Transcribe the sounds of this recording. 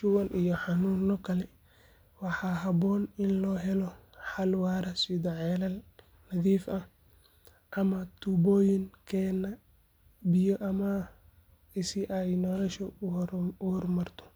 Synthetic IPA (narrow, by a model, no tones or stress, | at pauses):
ʃʊwɐnʔijɔħɑnuːnɔkʰɐlɛ | wɑħɑːɦɐbɔːnɪnlɔːɦɛlɔ | ħɑlwɑːɾɐsɪðɔʕɛlɐl | nɐðiːfɐh | ʔɐmɐt̪ʰubɔːjɪŋkʰɛːnɐ | bɪjɔʔɐmɐ | ɪsɪʔɛjnɔlɔʃɔ | ʊhɔrmɐrt̪ʰɔ̥